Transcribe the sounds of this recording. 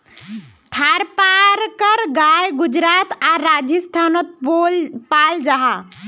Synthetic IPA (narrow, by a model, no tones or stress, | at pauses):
t̪ʰaɾpaɾkəɾɡajɡud͡ʒɾat̪aɾad͡ʒjəst̪ʰanot̪̚olpald͡ʒaɦa